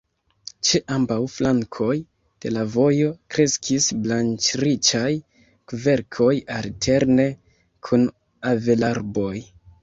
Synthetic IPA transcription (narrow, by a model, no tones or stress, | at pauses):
t͡ʃeʔambawflaŋkʰo̞j | d̥e̞lavo̞jo̞kɾe̞skʰisblant͡ʃɾit͡ʃaj | kve̞ɾkʰo̞jaltʰe̞ɾne̞ | kʰun | ave̞laɾbo̞j